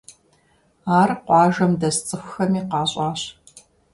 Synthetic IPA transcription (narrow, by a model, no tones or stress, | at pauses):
aːrqʷɑːʒɐmdɐst͡sʼɨxʷʊxɐmiːqɑːɕʼɑːɕ